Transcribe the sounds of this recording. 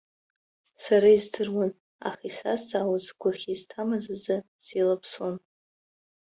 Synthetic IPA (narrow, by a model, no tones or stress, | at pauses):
saɾaizdɨrwan | a̰χisazd͡zʼawazɡʷaχʲiztʰamazazɨ | silapʰson